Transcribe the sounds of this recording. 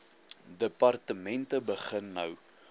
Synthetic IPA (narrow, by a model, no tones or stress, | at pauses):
dəpɐrtəmɛntəbəχənːɐw